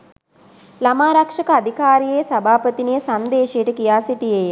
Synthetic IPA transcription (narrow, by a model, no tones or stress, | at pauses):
lamaːɾakʂɐkəad̪ʱikaːɾijesabʱaːpət̪inijəsand̪eːʃejəʈəkijaːsiʈijej